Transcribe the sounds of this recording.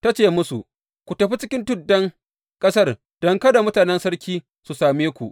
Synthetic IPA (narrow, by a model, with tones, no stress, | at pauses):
ta˦t͡ʃeː˦˨mʊ˦su˨ʔ | kʷu˨tɐ˨ɸi˦t͡ʃɪ˦kʲɪ˦ntʊ˦˨dːɐ˦ŋ | kʼɐ˦sɐ˦r | d̥ɔ˦ŋkɐ˦da˨mʊ˦taː˨nɛ˦nsɐ˦ɽkʲiː˦ | su˨saː˨meː˦kʷṵ˨ʔ